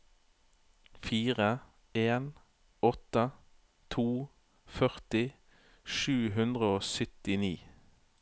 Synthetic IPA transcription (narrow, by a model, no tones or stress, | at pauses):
fiːʁə | eːn | ɔt̪ə | t̪ʰuː | fœʁt̪ɪ | ʃʉːɦʉnd̪ʁəoːsʏt̪ɪniː